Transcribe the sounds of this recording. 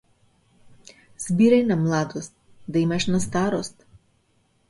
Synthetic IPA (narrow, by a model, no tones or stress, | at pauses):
z̥ʲbʲiːɾʲɛjnɐmlˠɑːd̪ost̪̚ | d̪ɐjmɐʃnɐst̪aːɾost̪